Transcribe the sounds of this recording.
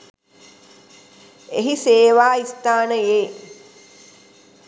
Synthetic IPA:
eɦiseːʋaːist̪aːnəjeː

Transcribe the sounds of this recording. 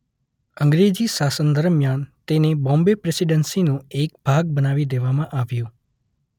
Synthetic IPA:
əŋɡɾed͡ʒiʃasənd̪əɾmjant̪enebɔ̃mbepɾesiɖənsinũek̚b̥ʱaɡ̚bənaʋid̪eʋamãʔaʋjũ

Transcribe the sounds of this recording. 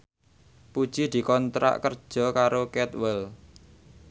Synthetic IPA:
pud̥ʒ̥id̪̥i̤kɔnt̪ɾa̰ʔkərd̥ʒ̥ɔ̤kaɾokɛt̪wɛl

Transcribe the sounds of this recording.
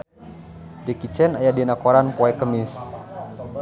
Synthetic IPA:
dɛkit͡ʃɛnajadinakoɾanpoɛkəmis

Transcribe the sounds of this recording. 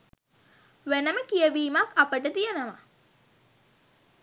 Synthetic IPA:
ʋænəməkijəʋiːmakapəʈət̪ijənəʋa

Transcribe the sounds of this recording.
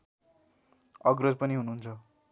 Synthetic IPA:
ʌɡrʌd͡zpʌniɦunuːnt͡sʰʌ

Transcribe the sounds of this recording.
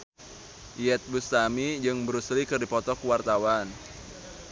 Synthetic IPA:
ijɛt̪̚bust̪amid͡ʒɨŋbəɾuslikɨrdipɔt̪ɔkuwart̪awan

